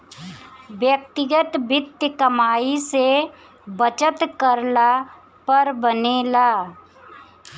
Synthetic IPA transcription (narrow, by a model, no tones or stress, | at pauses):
ʋjək̚t̪ɪɡət̪bɪt̪jəkəmaːise | bət͡ʃət̪kəɾla | pəɾbənelaː